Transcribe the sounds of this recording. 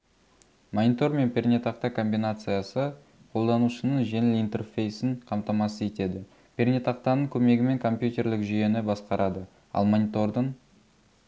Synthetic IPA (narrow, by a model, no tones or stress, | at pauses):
monʲit̪o̞rme̞npʲʰernʲet̪ɑqt̪ɑkʰo̞mbijnat̪sɨjasə | qʰo̞lˠd̪ɑnuʃənəɴʒenɪlijnt̪e̞rfʲe̞jsɪɴqʰɑmt̪ɑmɑsəe̞t̪e̞d̪ɪ | pʰʲernʲet̪ɑqt̪ɑnəɴkʲʰɵme̞ɡʲɪme̞ŋkʰo̞mpjut̪ʲe̞ɾlɪkʒʏje̞nɪbɑsqɑɾʔɑd̪ə | ɑ̰lˠmonʲit̪o̞rd̪əɴ